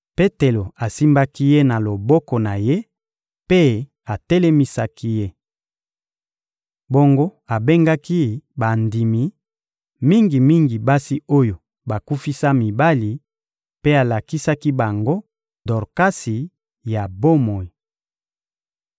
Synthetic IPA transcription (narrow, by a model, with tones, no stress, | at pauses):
pe˦te˨lo˨a˨si˦mba˦ki˦je˦na˨lo˨bɔ˦kɔ˨na˨je˦ | pe˦ | a˨tɛe˦le˦mi˦sa˦ki˦je˦ | bo˦ŋɡo˦a˨be˦ŋɡa˦ki˦ba˨ndi˨mi˨ | mi˦ŋɡi˨mi˦ŋɡi˨ba˦si˦o˦jo˨ | ba˨ku˦fi˦sa˦mi˨ba˦li˨ | pe˦a˨la˨ki˦sa˦ki˦ba˨ŋɡo˦ | dɔ˨ʁka˦si˨ | ja˨bo˦mo˨i˨